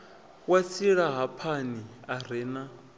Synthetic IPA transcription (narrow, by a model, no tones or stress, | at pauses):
wat͡sʰiɺaɦapʰaniaɾ̤ɛːna